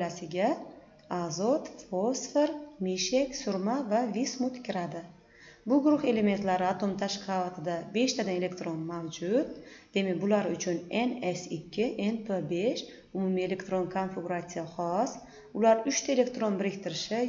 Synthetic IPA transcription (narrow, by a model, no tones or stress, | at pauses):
lasɪɡʲa | azot̪fosfe̞ɾmiʃe̞kʲsʊɾmavavismʊt̪kʲʰɪɾad̪ɪ | bʊɡʊɾʊχe̞le̞me̞nt̪laɾɪat̪ʰo̞mt̪ʰaʃqʰɑvat̪ʰɪd̪abe̞ʃt̪ʰad̪ane̞le̞kt̪ɾo̞nmawd͡ʒʊt̪̚d̪̥e̞mekbʊlaɾʊt͡ʃʰʊne̞nesɪkʲʰːɪʔenpʰebe̞ʃ | ʊmumie̞le̞kt̪ɾo̞nkʰonfiɡʊɾat̪sɨjaχɒs | ʊlaɾʊt͡ʃt̪ʰaele̞kt̪ɾo̞nbɪɾɪkʲt̪ʰɪɾɪʃɪ